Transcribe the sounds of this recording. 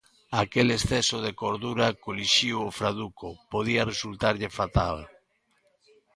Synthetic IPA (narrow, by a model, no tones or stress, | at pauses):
akelesθɛsoðekoɾðuɾakoliʃiwofɾaðukopoð̞iaresult̪aɾʎɪfat̪al